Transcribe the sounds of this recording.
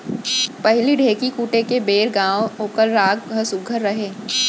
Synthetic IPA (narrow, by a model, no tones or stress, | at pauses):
pɐɦliɖʱeːkikuːʈekebeːɾɡãːwoːkəɾːaːkɡʱəsʊɡʱəɾːɐɦeː